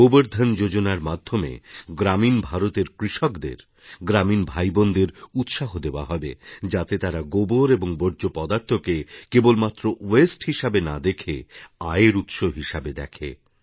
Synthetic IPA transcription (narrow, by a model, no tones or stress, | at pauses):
oboɾd̪ʱand͡ʑod͡ʑonaɾmad̪ʱːomḛɡɾaminbʱaɾot̪eɾkɾiʃɔkd̪ḛɾ | ɡɾaminbʱajbond̪eɾut̪ʃaɦod̪eoa̰ɦɔbed͡ʑat̪et̪aɾaɡoboɾeboŋboɾd͡ʑopɔd̪aɾt̪ʰokekebolmat̪ːɾowesʈhiʃabena̰d̪ekʰeaeɾut̪ʃoɦiʃabed̪ɛ̰kʰḛ